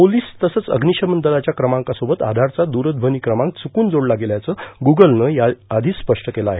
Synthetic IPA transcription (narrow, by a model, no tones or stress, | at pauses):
poliːst̪əsəːt͡sə̰ɡniʂəmənd̪əlat͡ɕjakɾəmãŋkasobət̪a̰d̪ʱaɾt͡sad̪uɾəd̪̚bʱəniːkɾəmãŋk̚t͡sʰukuːnd͡zoɽlaɡeljat͡səɡuɡəlnəjaad̪ʱiːspəʂʈəkelaaːɦe